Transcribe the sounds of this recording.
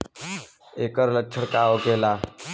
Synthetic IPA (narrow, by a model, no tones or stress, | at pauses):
ekəɾləkt͡ʃʰəɽkaʋokela